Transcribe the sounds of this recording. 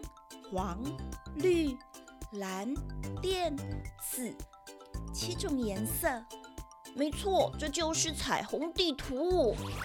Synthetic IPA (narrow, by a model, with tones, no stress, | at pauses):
xwɑ˧˥ŋly˥˩la˧˥nt̪jɛ˥˩nt͡sʰɹ̩˨˩ | t͡ɕʰi˥ʈ͡ʂʊ˨˩ŋjɛ˧˥nsə˥˩ | me˧˥ɪt͡sʰwɔ˥˩ʈ͡ʂɤ˥˧t͡ɕjo˥˧ʊʂɻ̩˥˩t͡sʰa˨˩ɪxʊ˧˥ŋt̪i˥˩t̪ʰu˧˥˩